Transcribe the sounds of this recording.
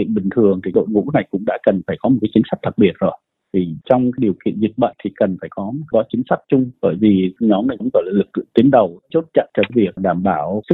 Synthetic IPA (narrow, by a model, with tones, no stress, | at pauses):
ḭ˧˨ənɓï˨˩ŋ̟t̪ʰɨ˨˩əŋt̪ʰi˨˩ɗo̰˧˨jŋṵ˧˥na˨˩jkʊ̰˧˥ŋ͡mɗa̰ː˧˥kə˨˩nfaː˧˩jkɔ˨˦mo˨˩t̚kaː˨˦t͡ɕi˨˦ŋ̟sa˦˥k̚t̪ʰɨ˨˩t̚ɓi˨˩ət̚zo˨˩j | t̪ʰi˨˩t͡ɕɔ˧wŋ͡mkaː˨˦jɗi˨˩əwkḭ˧˨ənzi˨˩t̚ɓa̰ː˧˨ŋt̪ʰi˨˩kə˨˩nfaː˧˩jkɔ˨˦˩kɔ˨˦t͡ɕï˨˦ŋ̟sa˦˥k̚t͡ɕʊ˧ŋ͡mɓəː˧˩jvi˨˩ɲɔ˨˦mna˨˩jkə̰˧˥ŋ͡mkɔ˧˩laː˨˩lɨ˨˩k̚t̪i˨˦ənɗə˨˩wt͡ɕo˦˥t̚t͡ɕa̰˧˨t͡ɕə˧˩vi˨˩ək̚ɗaː˧˩mɓaː˧˩wsɨ˦˥